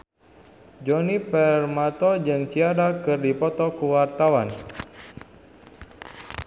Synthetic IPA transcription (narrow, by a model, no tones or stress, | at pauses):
d͡ʒɔnipɛrmat̪ɔd͡ʒɨŋt͡ʃiadakɨrdipɔt̪ɔkuwart̪awan